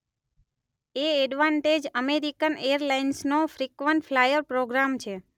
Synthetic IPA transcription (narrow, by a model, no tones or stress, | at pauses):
eɛɖʋaɳʈed͡ʒəmeɾikənejəɾlainsnofɾikʋəɳʈflajəɾpɾoɡɾamt͡ʃʰe